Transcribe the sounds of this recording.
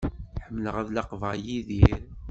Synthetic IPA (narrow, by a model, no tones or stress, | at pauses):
ħəmːləʁæðlɑqvæjiðiɾ